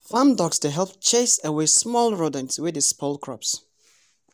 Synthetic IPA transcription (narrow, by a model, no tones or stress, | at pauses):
fãmdɔksd̥eɦɛlˠp̚t͡ʃʰesəwesmɔlˠɹodɪ̃ŋswɪdɪspʰolˠkʰɹɔ̰ps